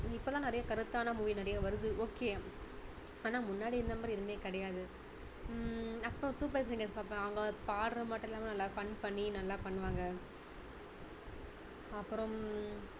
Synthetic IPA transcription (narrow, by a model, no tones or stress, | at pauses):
ɪpːolãːnɐɾɐjɐkɐɾɯt̪ːaːnɐmʊʋinɪɾɐjɐʋɐɾɯðɯʔoːkeː | aːnaːmʊnːaːɽiɪnd̪ɐmbɐɾɪɾɯmeːkɪɽɐjaːðɯ | ɐpːɯɾɔ̃suːpɐs̬ɪŋɡɐɾspaːɾpãɐʋɐŋɡɐpaːɽɯɾɐmaːʈːɐ̃ɛlːaːmɐnɐlːaːfɐɳpɐɳːinɐlːaːpɐɳːɯʋaːŋɡɐ | ɐpːɯɾɔ̃m